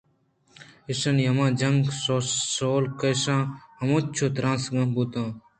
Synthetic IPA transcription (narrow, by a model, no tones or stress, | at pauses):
ɪsɐnjɐmãːd͡ʒɐŋɡsosoːlkɐjsãːɐmõːt̪t͡ʃʰoːt̪ɾãːsɡãːbut̪ãː